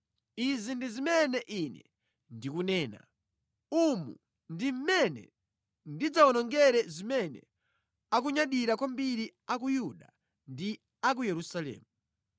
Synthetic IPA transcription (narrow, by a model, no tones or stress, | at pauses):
izindizimɛnɛʔinɛ̰ | ndikunɛːna̰ | umṵ | ndim̩mɛnɛ̰ | ndid͡zaɔnɔŋɡɛɾɛzimɛnɛ̰ | ak̬uɲaɗiɾakwambiɾiak̬ujuɗa | ndi | ak̬ujɛɾusalɛ̰ːmu